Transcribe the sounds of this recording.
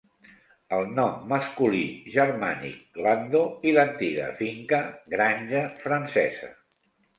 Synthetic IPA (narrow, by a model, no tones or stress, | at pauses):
əlˠnɔmːəskuliʒərmanḭkɡland̪oilənt̪iɣə̰fiŋkəɣɾanʲʒəfɾənsɛzə̰